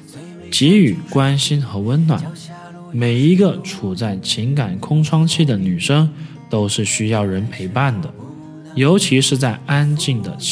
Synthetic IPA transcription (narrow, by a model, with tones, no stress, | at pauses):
t͡ɕi˧˥y˨˩kwa˥nɕi˥nxɤ˧˥wə˥nnwa̰˨˩˦n | me˨˩ɪi˧˥ɡə˧ʈ͡ʂʰu˨˩t͡sa˥˩ɪt͡ɕʰi˧˥ŋka˨˩nkʰʊ˥ŋʈ͡ʂʰwɑ˥ŋt͡ɕʰi˥˩d̪ə˩ny˨˩ʂɤ˥ŋ | t̪o˥ʊʂɻ̩˥˩ɕy˥jɑ˥˩ʊɻə˧˥npʰe˧˥ɪpa˥˩nd̪ə˩ | jo˧˥ʊt͡ɕʰi˧˥ʂɻ̩˥˧t͡sa˥˩ɪa˥nt͡ɕi˥˩ŋd̪ə˩